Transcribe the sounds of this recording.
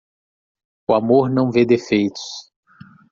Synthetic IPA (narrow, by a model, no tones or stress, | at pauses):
ʊamoɾnɐ̃w̃ved̪efejt̪ʊ̥s